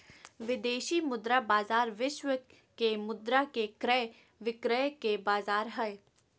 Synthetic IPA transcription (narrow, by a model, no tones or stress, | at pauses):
ʋɪd̪eːʃimʊd̪ɾabaːzaːɾʋɪʃwə | kemʊd̪ɾakekɾɛ | ʋɪkɾɛkebaːzaːɾɦɛe